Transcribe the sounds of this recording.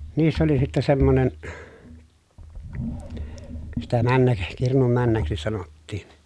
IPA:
niːsːæ oli sitːɛ semːonen sitæ mænːæk kirnum mænːæksi sɑnotːiːn̞

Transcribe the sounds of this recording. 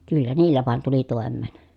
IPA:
kylːæ niːlːæ ʋɑˑen tuli toˑemˑeːn

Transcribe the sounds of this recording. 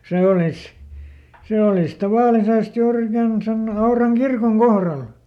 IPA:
seˑ olis seˑ olis tɑʋɑˑlisest juːr ikæn sen ɑurɑŋ kirkoŋ kohrɑl

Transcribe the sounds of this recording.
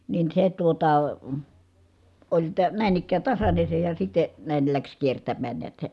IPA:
nin se tuotɑ olʲ tə næˑin ikˑæː tɑsɑne se jɑ sitˑe næˑil læks kiertæmːæːn niæt se

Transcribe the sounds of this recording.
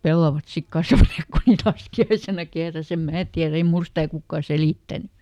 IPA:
pelːɑʋɑt sik kɑsʋɑneːk ku niːt lɑskiɑisenɑ kehræs em mæː tiær ei mul stæˑ kukːɑˑ seliˑtːæny

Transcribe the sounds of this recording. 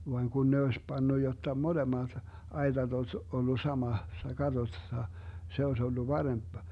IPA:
ʋɑŋ kun ne oes pɑnːu jotːɑ molemɑt ɑi̯tɑt osʲ olːu sɑmɑsːɑ kɑtosːɑ se oes olːu pɑremp

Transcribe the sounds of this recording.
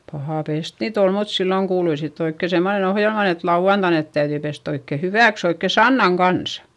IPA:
pɑhɑˑ pest niːt ol mut silːoŋ kuːlui sitː oikːe semːonen ohjelmɑn et lɑuɑntɑin net tæyðyi pest oikːe hyʋæˑks oikːe sɑnːɑŋ kɑnsɑ̥

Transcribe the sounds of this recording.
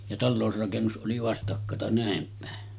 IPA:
jɑ tɑlːoˑusrɑkenːus ʔoli ʋɑstɑkːɑtɑ næˑem pæˑe

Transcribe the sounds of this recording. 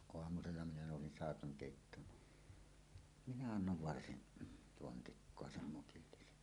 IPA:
oɑmuselːɑ minæ noˑusin sɑˑekɑŋ keˑitːoːn ni minæ ɑnːoʋ ʋɑrsin pontikːoɑ sem mukilːisen

